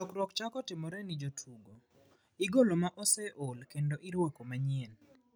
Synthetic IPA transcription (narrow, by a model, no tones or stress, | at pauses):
ɔkɾwɔkt͡ʃakɔtɪmɔɾɛnɪd͡ʒotʰuɡo | iɡolomaʔɔsɛʔolkendoʔiɾwokomaɲɛn